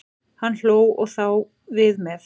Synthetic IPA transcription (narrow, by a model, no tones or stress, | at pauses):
hanːl̥oːwɔ̰ɣθaw | vɪðmɛθ